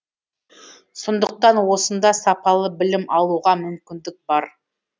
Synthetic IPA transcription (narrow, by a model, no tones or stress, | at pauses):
sond̪əq̚t̪ɑnwo̞sənd̪ɑsɑpɑlˠəbɪlɪmʔɑlˠuʁɑmʏmkʲɪnd̪ɪk̚b̥ɑɾ